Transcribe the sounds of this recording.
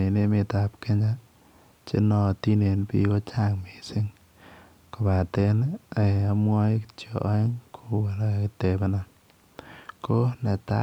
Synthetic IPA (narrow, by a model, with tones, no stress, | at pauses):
e˨ne˦mɪ˨ta˨p̚ke˦ɲa˦ | t͡ʃḛ˦nɔ˨ti˦ne˨npḭ˦ko˦t͡ʃa˦˨ŋme˨sɪ˦ŋ | ko˨ba˨te˦na˨a˦mwɔ˦t͡ʃo˨ʔɪ˦ŋkʰo˦wa˨lkɪ˨te˨bɛ˦nɔ˨n | ko˦nɛ˨ta̰˦